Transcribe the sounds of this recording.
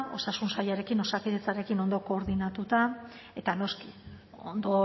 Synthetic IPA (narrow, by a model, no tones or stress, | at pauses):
osasunsajaɾe̞kino̞sakiðet͡saɾe̞kino̞nd̪o̞ko̞ːɾðinat̪ut̪a | e̞t̪ano̞ski | ond̪o